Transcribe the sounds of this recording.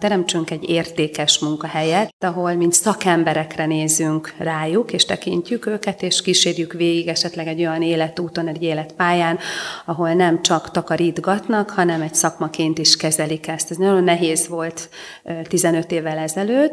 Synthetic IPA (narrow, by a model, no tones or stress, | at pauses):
t̪ɛɾɛmt͡ʃyŋkɛɟːeːrt̪eːkɛʃmuŋkɒhɛjɛt̪ːɒɦo̞lmint̪sɒkɛmbɛɾɛkrɛneːzyŋkraːjukeːʃt̪ɛkḭɲcːykøːkɛt̪eːʃkiːʃeːrjykveːɡiɡɛʃɛt̪lɛɡɛɟo̞jɒneːlɛt̪uːt̪o̞nɛɟeːlɛt̪paːjaːnɒɦo̞lnɛmt͡ʃɒkt̪ɒkɒɾid̪ɡɒt̪nɒkhɒnɛmɛcsɒkmɒkeːnt̪iʃkɛzɛlikɛst̪ɛznɒjo̞nːɛɦeːzʋo̞lt̪ | t̪ːizɛnø̞t̪eːvːɛlɛzɛløːt̪ː